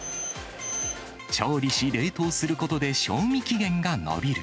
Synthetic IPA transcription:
t͡ɕoːɾʲiɕiɾe̞ːt̪o̞ːsɨɾɯ̟ko̞t̪o̞d̪e̞ɕo̞ːmʲikʲiɡẽ̞ŋɡano̰bʲiɾɯ̟

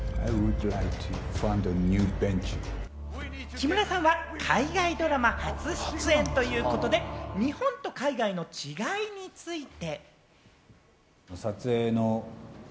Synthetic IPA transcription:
aɪwudlaɪk̚tʰɨfãndənjʉbɛ̃nt͡ʃ | kʲimɯ̟ɾasãɰ̃βakʰaiɡaid̪o̞ɾamahat͡sɨɕi̥t͡sɨẽ̞nt̪o̞jɯ̟ːko̞t̪o̞d̪e̞ɲ̟ihõ̞nt̪o̞kaiɡaino̞t͡ɕiɡaiɲ̟it͡sɨit̪e̞ | nosat͡sɨeno

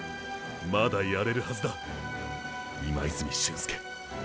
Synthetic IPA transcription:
mad̪ajaɾe̞ɾɯ̟hazɨd̪a | ima̰isɨmʲiɕːɨ̃sɨ̥ke̥

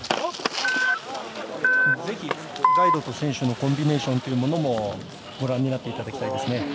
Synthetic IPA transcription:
ze̞çi | ɡaid̪o̞t̪o̞sẽ̞ɰ̃ɕɨno̞kõ̞mbʲine̞ːɕõ̞nt̪eiɯ̟mo̞no̞mo̞ | ɡo̞ɾãɲ̟ːinat̪ːe̞it̪ad̪akʲi̥t̪aid̪e̞sɨne

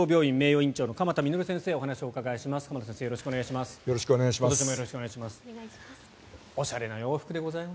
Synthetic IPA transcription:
oːbʲo̞ːĩmːe̞ːjo̞ːĩɲt͡ɕo̞ːno̞kamat̪amʲinoɾɯ̟sẽ̞ɰ̃se̞ːo̞ɦanaɕio̞ɯkaɡaiɕimasɨ̥kamat̪osẽseːjooɕi̥kɯoeɡaiɕimasɨ̥joɾoɕi̥kɯoneɡaiɕimatot͡ɕimojoɾoɕi̥kɯoneaiɕimasɨ̥ | o̞ɕaɾe̞nojo̞ːɸɯ̥kɯd̪e̞ɡo̞zaima

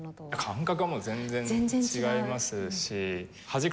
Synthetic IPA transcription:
jakʰãŋkakɯamozẽ̞nd͡zẽ̞nt͡ɕiɡaimasɨɕi | had͡ʑik

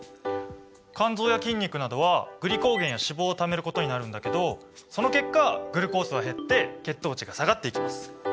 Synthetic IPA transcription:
kãnzo̞ːjakʲĩɲ̟ʲːikɯ̟nad̪o̞β̞aɡ̥ɯ̟ɾʲiko̞ːɡẽ̞ɰ̃jaɕibo̞ːt̪ame̞ɾɯ̟ko̞t̪o̞ɲ̟inaɾɯ̟̃nd̪ake̞d̪o̞ | so̞no̞ke̞kːaɡɯ̟ɾɯ̟ko̞ːsɨβaɦe̞t̪ːe̞ke̞t̪ːo̞ːt͡ɕiɡasaɡat̪ːe̞ikʲimasɨ̥

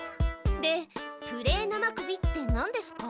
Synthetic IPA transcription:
d̪e̞t̪ɯ̟ɾe̞ːnamakɯ̟bʲit̪ːe̞nãnd̪e̞sɨ̥ka

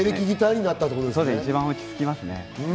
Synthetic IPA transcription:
eɾɯkʲiɡit̪aiɲ̟inat̪ːat̪okoɾod̪esod̪esit͡ɕiβãokʲi̥sɨ̥kʲimasɨnḛɯ

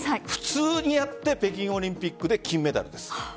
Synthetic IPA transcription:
ɸɯ̟̥t͡sɨːɲ̟ijat̪ːe̞pe̞kʲĩɰ̃o̞ɾʲĩmpʲikːɯ̟d̪e̞kʲĩmːe̞t̪a̰ɾɯ̟d̪e̞sɨ̥

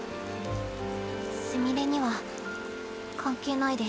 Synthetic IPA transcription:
sɨmʲiɾe̞ɲ̟iβa | kʰãŋkʲɨːnaid̪e

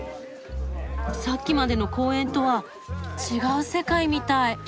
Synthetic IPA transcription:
sakʲːimad̪e̞no̞ko̞ːẽ̞nt̪o̞βa | t͡ɕiɡaɯ̟se̞kaimʲit̪ai

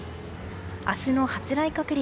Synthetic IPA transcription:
asɨno̞hat͡sɨɾaikakɯ̟ɾʲi

